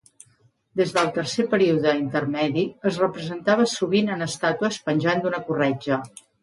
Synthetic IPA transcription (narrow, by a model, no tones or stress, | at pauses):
d̪ezðəlˠt̪ərsepəɾiuðəint̪ərmɛðiəzrəpɾəzənt̪aβ̞əsuβinənəst̪at̪uəspənʲʒand̪unəkurɛd͡ʒə